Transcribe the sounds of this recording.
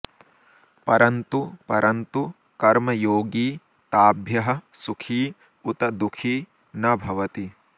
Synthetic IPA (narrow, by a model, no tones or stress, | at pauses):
pɐɾɐnt̪upɐɾʔɐnt̪u | kɐɾmɐjoːɡiː | t̪aːbʱjɐɦɐ̆sukʰiː | ut̪ɐd̪ukʰiː | nɐbʱɐʋɐt̪i